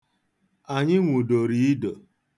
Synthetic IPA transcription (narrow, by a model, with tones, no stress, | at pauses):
a˨ɲɪ˦ŋʷu˨do˨ɾi˦i˦do˨